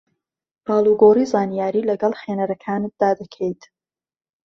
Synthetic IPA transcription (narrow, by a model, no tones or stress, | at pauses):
b̥ɑːlˠuɡoːriːzaːnijaːɾiːlɐɡɐlˠχenɐɾɐkʰaːnɨt̪̚d̪aːd̪ɐkʰɛjt̪